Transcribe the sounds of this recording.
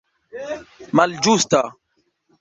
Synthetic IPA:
mald͡ʒust̪a

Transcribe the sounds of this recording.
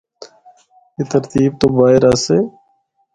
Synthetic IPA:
et̪əɾt̪iːb̚t̪oːbaːɪɾaːseː

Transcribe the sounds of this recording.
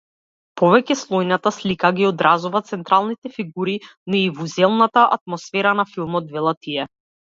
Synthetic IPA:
pʰɔvɛcɛslˠɔjnat̪aslikaɡiɔd̪ɾazuvat̪sɛnt̪ɾalˠnit̪ɛfiɡuɾinɔivuzɛlˠnat̪aʔa̰t̪̚mɔsfɛɾanafilˠmɔt̪vɛlˠat̪iɛ

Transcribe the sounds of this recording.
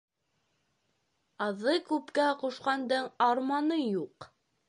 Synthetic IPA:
ɑðɤkʉpkæqŏʃqɑnd̪ɤɴɑɾmɑnɤjuq

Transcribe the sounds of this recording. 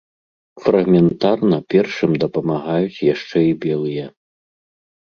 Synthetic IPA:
frɐɣmʲɛnt̪arnɐpʲɛrʂɨmd̪ɐpɐmaɣajut͡sʲjaʂt͡ʂɛibʲɛlˠɨjɛ

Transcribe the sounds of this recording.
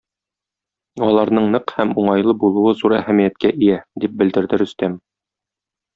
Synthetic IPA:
ɒlˠɑɾnɤɴnɤqhæmuɴɑjlˠɤbulˠuwɤzuɾæhæmijæt̪̚kæʔijæd̪ip̚bɘ̆ld̪ɘ̆ɾd̪ɘɾɵ̆st̪æm

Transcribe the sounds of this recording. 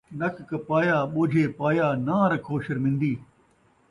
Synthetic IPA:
nɐkːɐpaːjaːɓoːd͡ʑʱeːpaːjaːnaːɾɐkʰoːʃɐɾmɪ̃nd̪iː

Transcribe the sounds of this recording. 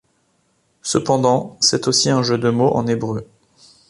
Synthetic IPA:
səpɑ̃d̪ɑ̃sɛt̪osiɛ̃ʒød̪əmoʔɑ̰̃nebʁø

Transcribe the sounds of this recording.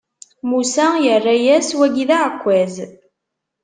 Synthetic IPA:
musæjərˤːæjæswæɡiðaʕəkʷːæz

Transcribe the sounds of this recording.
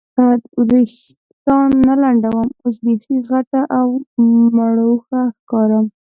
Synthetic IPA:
ad̪ɾis | t̪ɑnːalaɳɖawəmʊs̬bixiɣaʈaʔawmaɽaxaxkɑɾam

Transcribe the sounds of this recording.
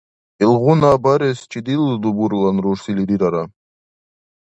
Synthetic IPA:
ilˠʁunabaɾʲest͡ʃʰid̪ilˠud̪ubuɾlˠanɾuʐsilʲid̪iɾaɾa

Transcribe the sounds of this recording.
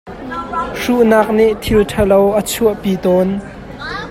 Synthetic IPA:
ʂuʔnaːk̚niʔt̪ʰilʈʰɐlowʔət͡sʰuəʔpiːt̪ɔn

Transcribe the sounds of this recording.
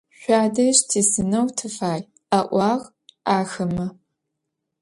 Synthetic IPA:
ɕʷaːdɐɕtʰiːsɨnɐwtʰɨfaːj | ɐʔʷɑːʁ | aːxɨmɐ

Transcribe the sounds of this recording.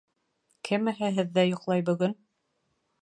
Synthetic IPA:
kʰɘ̆mɘ̆ɦɘɦɘ̆ðːæjŏqlˠɑjbɵ̆ɡɵn

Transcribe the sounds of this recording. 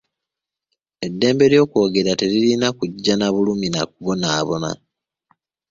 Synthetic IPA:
e̞dːe̞ːmbe̞ɾjo̞ːko̞ːɡe̞ɾateɾiɾinakuɟːanaβuluminak̚uβo̞naːβo̞na̰

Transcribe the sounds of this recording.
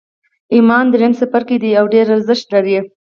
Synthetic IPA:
imɑnd̪əɾemsafaɾked̪iawɖeɾaɾzəʃt̪laɾje

